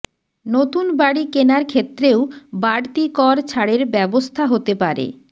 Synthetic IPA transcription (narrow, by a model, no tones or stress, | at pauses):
not̪unbaɽikenaɾkʰet̪ːɾeobaɽt̪ikɔɾt͡ɕʰaɽeɾbɛbost̪ʰaɦot̪epaɾḛ